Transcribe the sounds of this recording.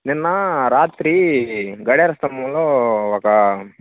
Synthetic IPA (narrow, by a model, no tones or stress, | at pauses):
ninːɐɾaːt̪ɾiɡɐɽeɾɐst̪ɐmːɐloɔkɐ